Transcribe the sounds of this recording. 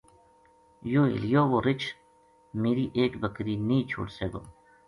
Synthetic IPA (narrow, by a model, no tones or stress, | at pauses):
joːḭljoːʋoɾɪt͡ʃ | meːɾiʔeːkbəkɾinĩːt͡ʃʰṵːʈseːɡo̰